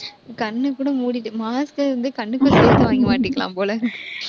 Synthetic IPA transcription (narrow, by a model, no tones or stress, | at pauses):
kɐɳnːɯkːuːɽɐmuːɽɪʈːɯmaːskɯɾɐnd̪ɯkɐɳːɯkːʊseːɾt̪ːɯʋaːŋɡɐmaːʈːɪkːɐla̰ːmpoːlɐ